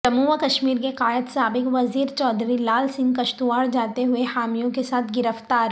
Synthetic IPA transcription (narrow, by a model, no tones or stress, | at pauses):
sɐmuːʋəkɐʃmiːɾkeqaːjət̪saːbɪkʋɐziːɾt͡ʃɔːd̪ɾilaːlsɪ̃ŋɡkɐʃt̪uʋaːɽd͡ʒaːt̪eɦʊehaːmijõkesaːt̪ʰɡɪɾəft̪aːɾ